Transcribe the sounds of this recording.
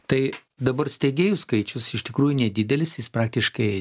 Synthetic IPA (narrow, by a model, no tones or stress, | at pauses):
t̪ɐɪ | d̪ɐbɐrsʲt̪ʲeɡʲeːjʊskɐɪt͡ʃʲʊsɪʃt̪ʲɪkɾuːjʊnʲɛd̪ʲɪd̪ʲɛlʲɪsjɪspɾɑːk̚t̪ʲɪʃkɐɪ